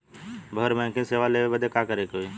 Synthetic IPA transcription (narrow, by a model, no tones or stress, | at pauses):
bʱəəɾmɛ̃ːkẽseːʋaleːʋebəd̪ʱekakəɾekoːi